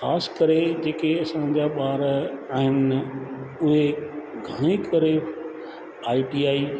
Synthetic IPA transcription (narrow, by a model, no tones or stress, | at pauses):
xaːskɐɾed͡ʑeːkeɐsãd͡ʑaɓaːɾaːɦɪn | ʊɦeɡʱɐɽ̃ekɐɾe | aːiʈiːaːi